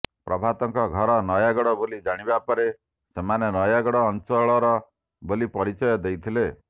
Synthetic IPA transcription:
pɾɔbʱat̪ɔŋkɔɡʱɔɾɔnɔjaɡɔɽɔbolid͡ʒaɽ̃ibapɔɾe | semanenɔjaɡɔɽɔːnt͡ʃɔɭɔɾɔ | bolipɔɾit͡ʃɔjɔd̪ejt̪ʰile

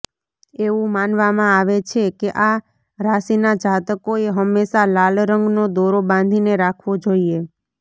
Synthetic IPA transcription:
eʋũmanʋamãaʋet͡ʃʰekeʔa | ɾasinad͡ʒat̪əkoeɦəmːesalalɾəŋɡnod̪oɾobãnd̪ʱineɾakʰʋod͡ʒoie

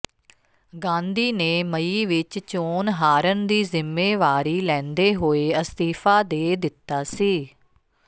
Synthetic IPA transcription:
ɡãːnd̪iːneːməiːʋɪt͡ʃt͡ʃoːnɦaːɾənd̪iːzɪmːeːʋaːɾiːlɛ̃ːnd̪eːɦoːeːəst̪iːfaːd̪eːd̪ɪt̪ːaːsiː

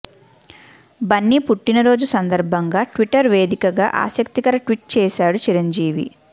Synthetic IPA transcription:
bɐnːipuʈːinɐɾo̞ːd͡ʒusɐnd̪ɐɾbʱɐŋɡaːʈʋiʈɐɾʋe̞ːd̪ikɐɡaːʔa̰ːsɐkt̪ikɐɾɐʈʋiʈ̚t͡ʃɛːʃaːɽut͡ʃiɾɐɲd͡ʒiːʋḭ

